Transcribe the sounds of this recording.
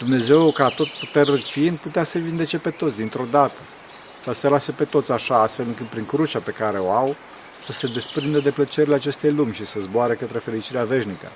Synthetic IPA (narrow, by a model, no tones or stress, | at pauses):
d̪umne̞ze̞wkat̪o̞t̪put̪erəfinput̪easevind̪e̞t͡ʃe̞pe̞t̪o̞t̪sd̪int̪ɾo̞d̪at̪ə | sawse̞lasepe̞t̪o̞t̪sʲaʃaast̪fe̞lɨŋkɨt̪̚pɾiŋkɾut͡ʃape̞kaɾe̞o̞aw | səse̞d̪e̞spɾind̪əd̪e̞plət͡ʃeɾeleat͡ʃe̞st̪ejlumʲʃisəzboaɾekət̪ɾe̞fe̞lit͡ʃiɾeave̞ʃnikə̰